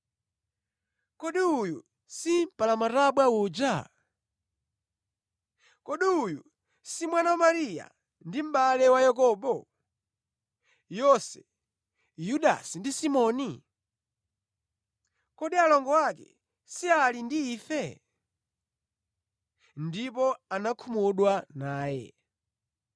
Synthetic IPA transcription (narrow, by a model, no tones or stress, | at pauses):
kɔɗiujṵ | sim̩palamaɾaɓwauːd͡ʒa | kɔɗiuju | simwanawamaɾija̰ | ndim̩ɓalɛwajak̬ɔːɓɔ | jɔsɛ̰ | juɗa̰sindisimɔni | kɔɗialɔŋɡɔwakɛ̰ | sialindiːfɛ | ndip̬ɔanakʰumuɗwanaːjɛ̰